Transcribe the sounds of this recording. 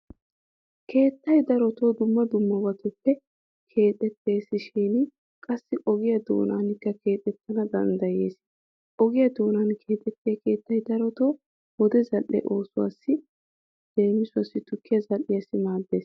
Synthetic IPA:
kʰe̞ːt̪ːɐjd̪ɐɾɔt̪o̞ːd̪ʊmːɐd̪ʊmːɐbɐt̪ʊpːɛ | kʰe̞ːt̪ʼɛt̪ʰːe̞ːsɪʃiːn | kʼɐsːɪʔɔɡɪjɐd̪o̰ːna̰ːnɪkːɐke̞ːt̪ʼɛt̪ʰːɐnɐd̪ɐ̰nd̪ɐje̞ːs | ʔɔɡɪjɐd̪oːnankʰe̞ːt̪ʼɛt̪ːeke̞ːt̪ːɐjd̪ɐɾɔt̪oː | wɔd̪ɛzɐlʔːɛ̰ʔo̞ːsʊwa̰ːsːɪ | d̪̥e̞ːmɪsʊwɐsːɪt̪ʊkʰːɪjɐzɐlːɪjɐsɪmaːd̪ːe̞ːs

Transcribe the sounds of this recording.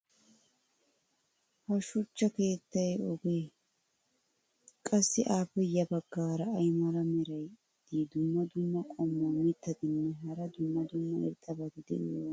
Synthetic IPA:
hɐʃʊt͡ʃːɐke̞ːt̪ːɐjɔɡeː | kʼɐsːɪʔaːpːɛjɐbɐɡːaːɾɐːjmɐɾɐmɛɾɐj | d̪̥iːd̪ʊmːɐd̪ʊmːɐkʼɔmːaːmɪt̪ːɐd̪ɪnːɛɦɐɾɐd̪ʊmːɐd̪ʊmːɐɪ̰ɾt̪ʼːɐbɐt̪ɪd̪ɛ̰ʔɪjoː

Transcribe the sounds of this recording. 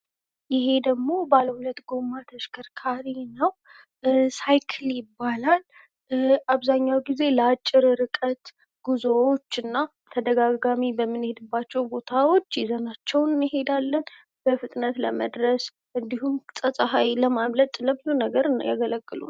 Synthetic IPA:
jɪɦe̞d̪əɡmo̞baləhulət̪ɡo̞mːat̪ʰəʃkʰəɾkʰaɾinəw | sajkʰɨljɪbːalal | aβzaɲːawɡize̞ləat͡ʃʼːɪɾɾɨkʼət̪ | ɡ̥uzowot͡ʃːɨnːa | t̪ʰəd̪əɡaɡamibəmːɨnhe̞d̪ɨbːat͡ʃːɛwbo̞t̪ʰawo̞t͡ʃːjɛzənat͡ʃːɛwnɨnɨɦe̞d̪alːən | b̥əfɨt̪ʼnət̪ləməd̪ɾəs | ʔɨnd̪ihumsʼəsʼəhajləmamlət̪ʼləbɨlonəɡəɾjaɡələɡːɨlṵn

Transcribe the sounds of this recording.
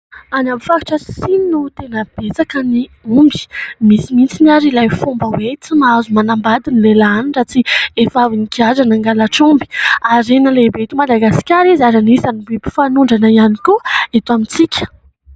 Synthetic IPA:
anamifaki̥ʈ͡ʂəssininut̪enəb̥et͡sakəniumbi̥misimint͡siniaɾilajfombəwet͡simaazumanambad̪inilelaaniɳɖ͡ʐat͡siefavinikiazanaŋɡalaʈ͡ʂumbi̥aɾenəlebet̪umad̪aɡasi̥kʲaɾizaɾanisanibepi̥fanuɳɖ͡ʐanaianikuet̪uamint͡sikʲə̥

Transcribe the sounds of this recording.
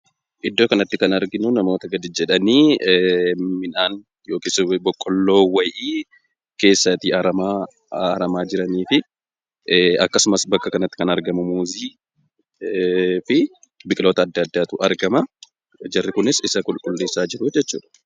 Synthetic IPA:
ʔɪd̪ːo̞ːkɐnɐt̪ːɪkɐnɐɾɡɪnʊnɐmo̞ːt̪ɐɡɐd̪ɪd͡ʒɛᶑɐniː | mɪnaːn | jo̞ːkisbɔkʼːɔlːo̞ːwɐjʔiː | ke̞ːsːɐt̪iːɐɾɐma | ɾɐmaːd͡ʒɪɾɐniːfɪ | ɐ̰kːɐsʊmɐsbɐkːɐkɐnɐt̪ːɪ̥kɐnɐɾɡɐmʊmuːziː | fɪ | bɪkʼɪlo̞ːt̪ɐːd̪ːɐːd̪ːaːt̪ʊʔɐɾɡɐmɐ | d͡ʒɐrːɪkʊnɪsɪsɐkʼʊlkʼʊlːe̞ːsːaːd͡ʒɪɾʊd͡ʒɛt͡ʃːṵːᶑɐ̥

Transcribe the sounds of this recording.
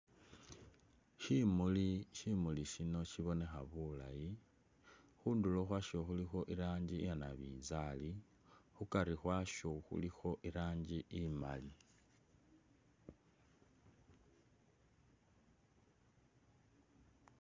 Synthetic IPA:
ʃimuliʃimuliʃino̞ʃiβo̞ne̞xaβula̰ji | xundulo̞xwaʃo̞xulixo̞ʔiɾaːɲɟijanaβḭːzali | xukaɾixwaʃo̞xṵlixo̞ʔiɾaːɲd͡ʒiʔima̰li

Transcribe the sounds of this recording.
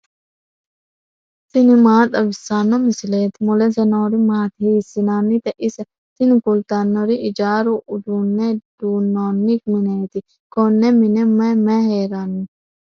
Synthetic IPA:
t̪inimaːt̪ɐbisaːnːomislet̪molensenoːɾimaːt̪ɦisinaːnit̪eʔis | t̪inikult̪aːnːoɾiʔid͡ʒaːɾuudunːedunoːnːik̚minet̪i | konːeminemɛmɛɦeːɾaːni

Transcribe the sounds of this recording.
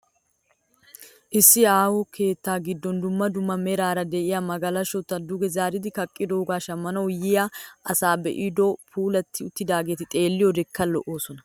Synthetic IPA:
ʔɪsːɪaːwɔke̞ːt̪ːaːɡɪd̪ːɔnd̪ʊmːɐd̪ʊmːɐmɛɾaːɾɐd̪ɛʔɪjamɐɡɐlɐʃɔt̪ːɐd̪ʊɡɛzaːɾɪd̪ɪkɐkʼːɪd̪oːɡaːʃɐmːɐnɐwjɪjaːʔɐsaːbɛ̰ʔid̪ɔpʰuːlɐt̪ʰːɪʊt̪ːɪd̪aːɡe̞ːt̪ɪt̪ʼe̞ːlːɪjɔd̪ɛkʰːɐlːɔʔoːsɔnɐ

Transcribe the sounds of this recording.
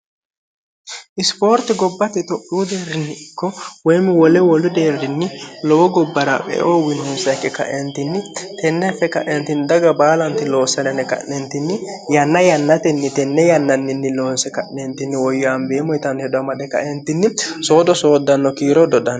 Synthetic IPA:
ʔɪspo̞ːɾt̪ɪɡɔbːɐt̪ɛt̪ɔkʼːuːd̪eːrːɪnːɪɪkːɔwɔjmːɪwɔlɛwɔlʊd̪eːrːɪnːɪlɔwɔɡɔbːɐɾa̰pɛ̰ʔoːwɪnɔnsɐkːɛkɐ̰ʔɛnt̪ɪnːɪt̪ʰɛnːɛfɛkɐʔɛnt̪ɪnd̪ɐɡɐbaːlɐnt̪ɪlo̞ːsːɐnɛnɛkɐ̰ʔɛnt̪ɪnːɪ | jɐnːɐjɐnːɐt̪ɛnːɪt̪ɛnːɛjɐnːɐnːɪnːɪloːnsɛkɐʔnɛnt̪ɪnːɪwɔjːɔambeːmɔjt̪ɐnhɛd̪ʊɐmɐɗɛkɐ̰ʔɛnt̪ɪnːɪso̞ːd̪ɔso̞ːd̪ːɐnːɔkiːɾɔd̪ɔd̪ɐn

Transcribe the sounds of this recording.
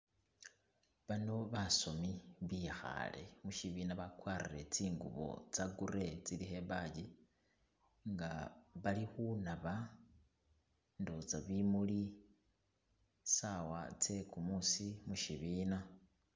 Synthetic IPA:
βanoβaso̞miβixa̰le̞̰muʃiβinaβakwariɾe̞t͡siːŋɡṵβo̞̰t͡saɡuɾe̞t͡silihe̞βaɟi | ŋɡaβalixunaβa | ndo̞t͡saβimuli | sawa̰t͡se̞kumusimuʃiβiːna

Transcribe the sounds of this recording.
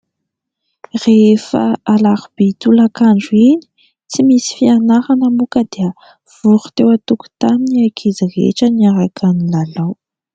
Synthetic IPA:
refa̰alaɾub̥et̪ulakaɳɖ͡ʐuini̥ | t͡simisi̥fianaɾanəmukəd̪iə | v̥uɾu̥t̪ewat̪uku̥t̪aminiajkʰizirḛʈ͡ʂəniaɾakʰanilalaw

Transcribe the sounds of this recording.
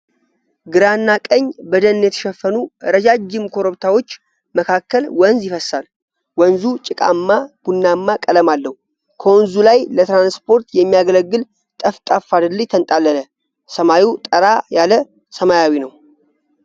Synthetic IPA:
ɡɨɾanːakʼəɲːbəd̪ənɨnjɛt̪ʰə̥ʃɛfːənuɾəd͡ʒad͡ʒɪmkʰo̞ɾoβt̪ʰawo̞t͡ʃː | məkʰakːəlwənzjɪfəsal | wənzut͡ʃʼɪkʼa̰mːab̥unːamːakʼələmalːəhu | kʰəwnzulajlət̪ɾanspʰo̞ɾt̪jɛmːijaɡələɡːɨl | t̪ʼəft̪ʼafad̪ɨlːɨt̪ʰənt̪ʼalːənə | səmajiwt̪ʼəɾajalə | səmajawinəw

